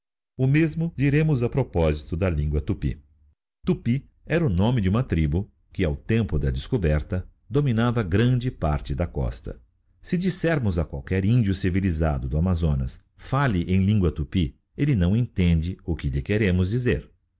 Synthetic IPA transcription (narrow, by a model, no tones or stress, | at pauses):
ʊmezmʊd͡ʒiɾẽmʊzɐpɾopɔzit̪ʊd̪ɐlĩŋɡwɐt̪upḭ | t̪upi | ɛɾɐʊnõmɪd͡ʒɪũmɐt̪ɾibʊ | kɪawt̪ẽmpʊd̪ɐd͡ʒ̪ɪskobɛɾt̪ɐ | d̪ominavɐɡɾɐ̃d͡ʒɪpaɾt͡ʃɪd̪ɐkɔ̰st̪ɐ̰ | sɪd͡ʒisɛɾmʊzɐkwawkɛɾĩnd͡ʒiʊsiviliza̰d̪ʊd̪ʊamazõnɐs | falɪʔẽj̃lĩŋɡwɐt̪upi | elɪnɐ̃w̃ẽnt̪ẽnd͡ʒɪʊkɪʎɪkeɾẽmʊzd͡ʒizeɾ